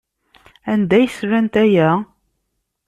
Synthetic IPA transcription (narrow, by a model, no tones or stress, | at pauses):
ænd̪æjsɾænt̪æjæ